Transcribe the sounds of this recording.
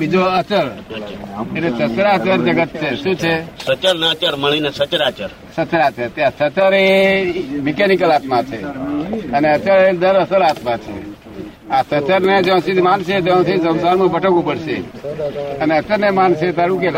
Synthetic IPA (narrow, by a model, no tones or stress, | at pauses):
bid͡ʒoət͡ʃəɾ | elesət͡ʃəɾat͡ʃəɾd͡ʒəɡət̪̚t͡ʃʰeʃũt͡ʃʰesət͡ʃəɾnəət͡ʃəɾməɳ̃inesət͡ʃəɾat͡ʃəɾ | sət͡ʃɾat͡ʃəɾt̪easət͡ʃəɾe | mɪkenikəlat̪mat͡ʃʰḛ | əneət͡ʃəɭed̪əɾəsəɾaːt̪mãt͡ʃʰḛ | asət͡ʃəɾned͡ʒẽsid̪manset̪eə̃sisə̃nsaɾmũbəʈəkũpəɽsḛ | əneət͡ʃəɾnemanset̪aɾũk̬el